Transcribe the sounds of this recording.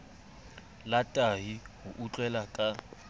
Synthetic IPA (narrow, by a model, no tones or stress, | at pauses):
latʼaɦihʊʔut͡ɬʼwɛlakʼa